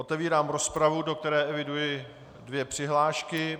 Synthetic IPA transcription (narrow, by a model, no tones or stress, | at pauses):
ʔot̪ɛviːɾaːmɾo̞spɾavudo̞k̚t̪ɛɾɛːʔɛvɪdujɪ | dvjɛpr̝̥ɪɦlaːʃkɪ